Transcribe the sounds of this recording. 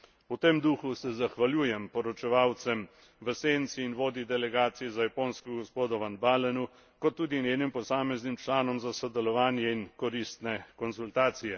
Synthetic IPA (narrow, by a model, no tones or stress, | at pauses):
ut̪emd̪uːxusɛzaxʋaljuːjɛmpɔɾɔt͡ʃɛʋaːwt̪sɛm | ʋəseːnt̪siːnʋoːd̪id̪ɛlɛɡaːt̪sijɛzajapoːnskɔɡɔspoːd̪ɔʋanbalɛnu | kɔt̪ːuːd̪injeːnimpɔsaːmɛznimt͡ʃlaːnɔmzasɔd̪ɛlɔʋaːnjɛinkɔɾist̪nɛkɔnsult̪aːt̪sijɛ